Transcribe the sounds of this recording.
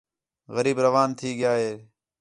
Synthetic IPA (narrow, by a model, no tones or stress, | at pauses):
ɣəɾiːbɾəʋaːnt̪ʰiːɡɪjaːɦeː